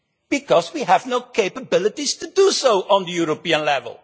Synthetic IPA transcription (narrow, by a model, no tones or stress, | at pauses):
b̥ɪkɔzwiævnoʊkʰeɪpəbɪlətiz̥tudusoʊʔə̃nðəjuɹopiə̃nlɛvə̰lˠ